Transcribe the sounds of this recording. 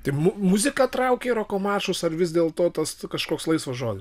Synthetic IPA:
t̪ɪmʊmʊzʲɪkɑt̪ɾɐʊkʲeːɾoːkoːmɑːʃʊsɐrʋʲɪzʲd̪ʲeːlˠt̪oːt̪ɐskɐʃkoːkslˠɐɪsʋɐʒoːd̪ʲɪ

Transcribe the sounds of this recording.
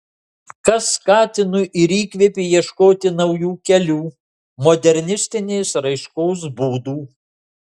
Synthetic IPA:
kɐsːkɑːt̪ʲɪnʊʔɪɾiːkʲʋʲepʲeːjiɛʃkoːt̪ʲɪnɐʊjuːkʲɛlʲuː | mɔd̪ʲɛɾʲnʲɪsʲt̪ʲɪnʲeːsɾɐɪʃkɔʊs̬buːd̪uː

